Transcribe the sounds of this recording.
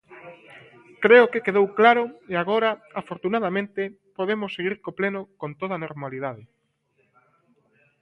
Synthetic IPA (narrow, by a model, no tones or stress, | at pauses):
kɾeʊkekeðowklaɾʊeaɣoɾaafoɾt̪unað̞amẽnt̪e | poðemʊsːeɣiɾkoplenʊkõnt̪oð̞anoɾmaliðaðɪ